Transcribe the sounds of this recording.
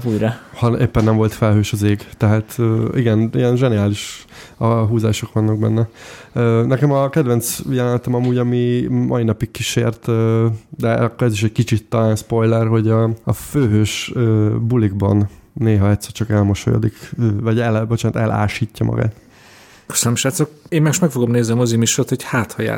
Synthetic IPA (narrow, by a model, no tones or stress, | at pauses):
uːjɾɒhɒeːpːɛnːɛmvo̞lt̪fɛlɦøːʃɒzeːɡt̪ɛɦaːt̪øiɡɛnijɛnʒɛniaːliʃ | ɒɦuːzaːʃo̞kʋɒnːɒɡ̚bɛ̰nːɛøːnɛkɛmɒkɛd̪vɛnt̪sjɛlɛnt̪ɛmɒmuːɟɒmimʔɒ̰inɒpikkːiʃḛːrt̪ød̪ɛɒkːoɾɛziʃɛc̚kit͡ʃit̪ːɒlaːnspo̞jlɛrɦo̞ɟɒɒføːɦøːʃøbuliɡbɒ̰nːeːɦɒɛt̪sɛrt͡ʃɒkɛlmoʃo̰jo̰d̪ikøvɒɟɛlbot͡ʃaːnt̪ɛlʔa̰ːʃiːcːɒmɒ̰ɡa̰ːt̪ | kø̥sənəmʃaːt̪sokeːmmɛɡiʃmɛkfo̞ɡomneːzniɒmozimiʃort̪ho̞chaːt̪hɒja̰ː